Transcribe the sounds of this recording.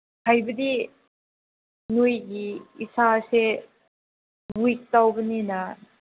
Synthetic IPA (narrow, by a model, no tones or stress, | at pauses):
hajbədi | nujɡiisase | ɡujk̚tawbɐninɐ